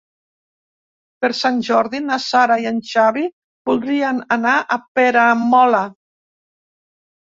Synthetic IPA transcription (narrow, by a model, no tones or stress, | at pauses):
peɾsanʲʒɔɾðinasaɾaianʃaβi | bulˠd̪ɾiənanaʔapeɾamɔla